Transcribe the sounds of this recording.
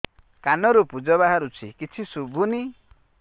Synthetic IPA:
kanɔɾupud͡ʒɔβaɦaɾut͡ʃʰikit͡ʃʰisubʱuni

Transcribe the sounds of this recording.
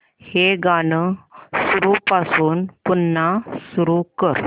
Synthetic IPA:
heɡanəsuɾupasuːnpunːasuɾukəɾ

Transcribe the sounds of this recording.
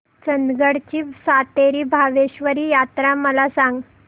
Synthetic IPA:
t͡ɕənɡəɽt͡ɕiːsat̪eɾiːbʱaʋeɕʋəɾiːjat̪ɾaməlasãŋɡ

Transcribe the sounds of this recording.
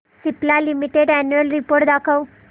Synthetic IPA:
siplalimiʈeɖɛnjuəlɾipoɾʈd̪akʰaw

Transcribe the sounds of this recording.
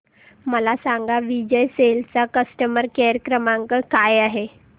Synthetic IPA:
məlasaŋɡaʋid͡ʑəjselt͡sakəsʈəməɾkeɾəkɾəmaŋkəkajaɦe

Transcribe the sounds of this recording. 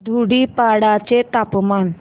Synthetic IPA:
d̪ʱuɽipaɽat͡ɕet̪apman

